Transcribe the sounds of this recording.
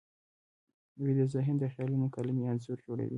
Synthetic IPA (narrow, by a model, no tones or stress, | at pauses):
wid̪əzaɦɪnd̪əxɑlunokalimeanzuɾd͡ʒoɽa̰wḭ